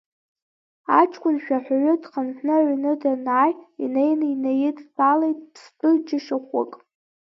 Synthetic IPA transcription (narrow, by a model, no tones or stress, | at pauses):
at͡ʃʰʼkʷʰʼʊnʃᶣaħʷᶣaɥʊdχanħnɨʕʷnɨdanaːjinejninajɪtʼbalejtʼpʰsbʼɨd͡ʒɪʃaχʷʊ̰kʼ